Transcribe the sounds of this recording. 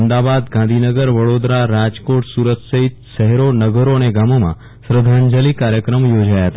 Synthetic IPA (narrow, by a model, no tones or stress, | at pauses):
md̪abad̪ɡãnd̪ʱinəɡəɾʋəɽod̪ɾaɾad͡ʒkoʈsuɾət̪səɦit̪ʃəɦɛɾonəɡəɾoəneɡamomã̰ | sɾəd̪ʱaɲd͡ʒəlikaɾjəkɾəmjod͡ʒajaɦət̪a